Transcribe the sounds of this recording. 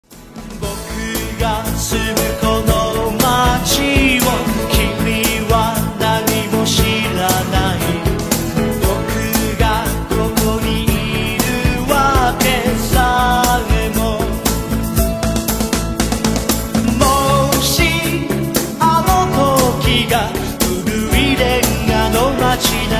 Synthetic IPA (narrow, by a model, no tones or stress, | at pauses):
bɔkʰɯɡasʰɯmɯkʰɔnɔmat͡ɕiwʌnkʰimːiwanaɲimoɕiɾanai | mɔkʰɯɡakʰʌmɔɲii | ɾɯwakesaŋemo | moɕi | amɔtʰokiɡa | uɾɯiɾeanɔmat͡ɕina